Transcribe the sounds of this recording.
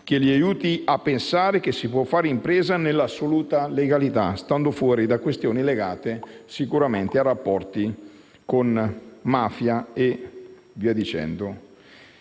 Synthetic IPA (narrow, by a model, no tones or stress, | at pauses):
k̟eliajuːt̪iapːensaːɾek̟esːipwɔfːaːɾeimpɾeːzanelːasːoluːt̪aleɡalit̪a̰st̪and̪ofwɔːɾid̪akwest̪joːnileɡaːt̪esikuɾament̪earapːɔrt̪i | konmaːfjae | viɛd̪it͡ʃɛ̰nd̪o